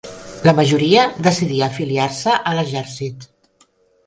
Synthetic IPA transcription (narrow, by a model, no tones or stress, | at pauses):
ləməʒuɾiəðəsiðiəːfiliarsəʔələʒɛɾsit̪